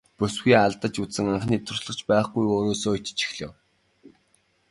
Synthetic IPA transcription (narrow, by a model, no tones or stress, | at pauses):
pɵsɡuːaɮt̪ə̆t͡ɕuɘ̆ŋaɴχniːt̪ʰʊrɮə̆t͡ɕpæːχɡujoːɾoːsoːt͡ɕt͡ɕʰi̥xɮɘ̰̆w